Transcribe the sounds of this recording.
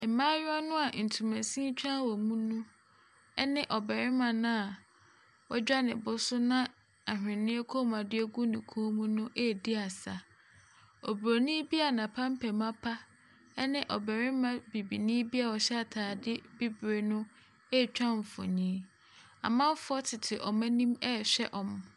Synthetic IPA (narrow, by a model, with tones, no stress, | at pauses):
mã˦jɔ˦nʊ̃˦a˨n̩˨tʰu˨mæ̃˨sĩ˦t͡ɕᶣã˦wɔ˨mũ˦nũ˦ | ɛ˦nɪ̃˦ʔɔ˨bɛ˨ɾɪ˦mã˨nã˦a˨ | wɔ˦d͡ʑᶣa˦nɪ̃˨bʊ˦sʊ˦nã˦ | a˨hᶣɪ̃˨nɪ̃˦e˦kʰo˦m˨ã˨dɪ˦e˦ɡu˦nɪ̃˨kʰoː˦mũ˦nʊ̃˦ʔe˦˨di˦a˨sa˨ | ɔ˨bɾo˨nĩ˦bi˦a˨nã˨pʰa˦m̩˦pʰɛ˨mã˦pʰa˦ | ɛ˦nɪ̃˦ʔɔ˨bɛ˨ɾɪ˦mã˨bi˨bi˨nĩ˦bi˦a˨wɔ˨ɕɛ˦a˨tʰaː˨dɪ˦bi˦bɾe˨nʊ̃˦ | e˦˨t͡ɕᶣã˦ɱ̩˨fɔ̰˨ɲĩː˦ | a̰˨mã˦fʊ˦ɔ˦tʰɪ˨tʰɪ˨ʔɔ˨mæ̃˦nĩ˦mɛ˦˨ɕᶣɛ˦ʔɔ̃˨m